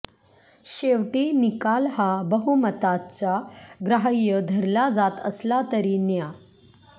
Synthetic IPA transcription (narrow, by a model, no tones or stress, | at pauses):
ɕeʋʈinikalhabəɦumət̪at͡saɡɾaɦəjːəd̪ʱəɾlad͡zat̪əslat̪əɾiːnja